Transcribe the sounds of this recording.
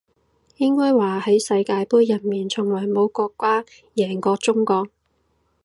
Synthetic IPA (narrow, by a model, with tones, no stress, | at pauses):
jɪ˥ŋkɔː˥jwaː˨˩hɐ˨˥jsɐ˧jkaː˧jpuː˥jːɐ˨˩nmiː˨˩nt͡sʰʊ˨˩ŋwɔː˨˩jmo˨˧wkɔː˧kːʷaː˥ | jɛː˨˩ŋkɔː˧t͡sʊ˥ŋkɔː˧k̚